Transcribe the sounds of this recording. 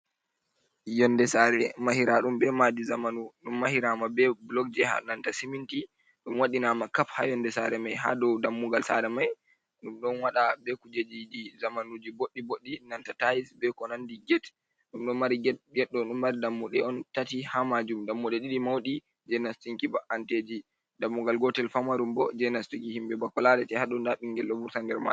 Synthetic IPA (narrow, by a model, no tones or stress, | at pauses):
jɔndɛsaɾɛmahiɾaɗumbɛmad͡ʒizamanuɗumːahiɾamabɛblɔk̚d͡ʒɛha̰nantasiminti | ɗumwaɗinamakafha̰jɔndɛsa̰ɾɛmajɦa̰dɔwdamːuɡalsa̰ɾɛmaj | ɗumɗɔnwaɗabɛkud͡ʒed͡ʒid͡ʒizamanud͡ʒiboɗːiboɗːinantatajisbɛkɔnandiɡɛt | ɗumɗɔnmaɾɡɛɗːɔɗumːaɾidamːuɗɛɔntatihamad͡ʒumdamːuɗɛɗiɗimawɗi | d͡ʒɛnastiŋkibaʔanted͡ʒi | damːuɡalɡɔtɛlfamaɾumbɔd͡ʒɛnastikihimbɛbakːɔlaɾɛtɛhaɗɔndaɓiŋɡɛlːɔbuɾtandɛɾma̰